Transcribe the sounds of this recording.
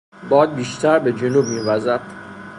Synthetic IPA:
bɒːd̪̚biːʃt̪ʰæɾbed͡ʒenuːb̚miːvæzæd̪̥

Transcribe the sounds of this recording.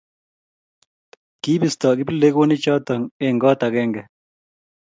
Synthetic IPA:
kiːbist̪aːɡipileɡoːnit͡ʃaːt̪ɐŋeŋɡaːt̪ɐɡeːŋɡe

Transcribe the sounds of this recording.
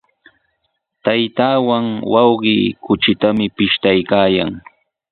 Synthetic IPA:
t̪ajt̪aːwaŋwɑwɢɪːkʊt͡ʃɪt̪amɪpɪʃt̪ajkaːjaŋ

